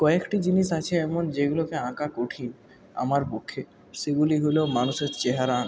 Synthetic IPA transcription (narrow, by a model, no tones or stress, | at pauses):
kɔekʈid͡ʑiniʃat͡ɕʰeɛmond͡ʑeɡulokeãkakoʈʰin | a̰maɾpokʰːe | ʃeɡuliɦolomanuʃeɾt͡ɕeɦaɾan